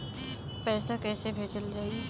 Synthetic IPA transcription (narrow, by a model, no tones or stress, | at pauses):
pɛːsakɛːsebʱeːt͡ʃəld͡ʒaːi